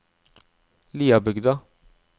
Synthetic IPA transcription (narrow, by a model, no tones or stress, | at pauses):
lijabɪɡd̪a